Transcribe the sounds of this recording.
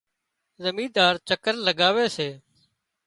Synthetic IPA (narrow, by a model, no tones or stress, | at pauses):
zəmĩːd̪aːɾt͡ʃəkəɾləɡaːʋeːseː